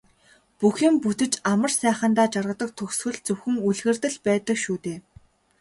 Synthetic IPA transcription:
puxĭmput̪ɘ̆t͡ɕamə̆rsæːχə̆nt̪aːt͡ɕarʁə̆t̪ə̆k̚t̪ʰɵksxɵ̆ɮt͡sɵwxɘ̆ŋuɮɣɘ̆rt̪ɘ̆ɮpæːt̪ə̆kʃuːt̪eː

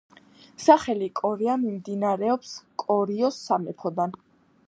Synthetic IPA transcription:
saχɛlikʼɔɾiamimd̪inaɾɛɔpskʼɔɾiɔsːamɛpʰɔd̪an

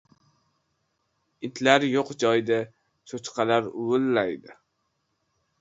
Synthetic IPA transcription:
ɪt̪ʰlaɾjoqd͡ʒɒjd̪a | sʰot͡ʃqʰɑlaɾʊwʊlːajd̪ɪ

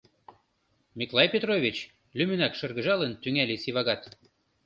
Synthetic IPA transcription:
mʲiklˠɑjpʲet̪rovʲit͡ɕ | lymynækʃɤ̆rɣə̆ʒɑlənt̪yŋælisiβɑɣɑt̪

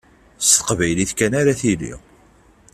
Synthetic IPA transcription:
st̪ə̥qvæjliθkænaɾaθilḭ

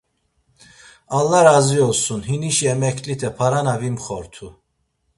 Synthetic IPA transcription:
alːaɾaziɔsunhiniʃiɛmɛkʰlit̪ʰɛpʰaɾanavimχɔɾt̪ʰu

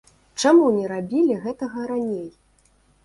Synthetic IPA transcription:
t͡ʂamunʲɛɾabʲilʲiɣɛt̪ɐɣɐɾanʲej

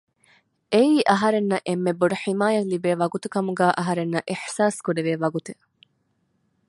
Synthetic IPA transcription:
ʔeiːʔɐɦɐɾenːɐʔemːebːoɖɐħimaːjɐlibeːʋɐɡut̪ukɐmuɡæːʔɐɦɐɾenːɐʔiħsaːskuɖeʋeːʋɐɡut̪e

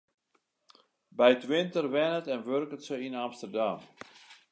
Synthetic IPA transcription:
bɛjtʋɪntərʋɛnətɛnʋørkətsəinamstərdam

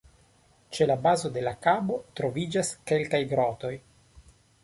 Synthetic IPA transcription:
t͡ʃe̞labazo̞de̞lakabo̞t̪ɾo̞vid͡ʒaske̞lkajɡɾot̪o̞j

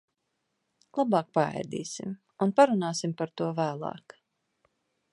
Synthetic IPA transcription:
lˠabɑːk̚paɛ̰jd̪ḭːsim | unpaɾunaːsimpaɾt̪uɔvæːlˠɑ̰ːk

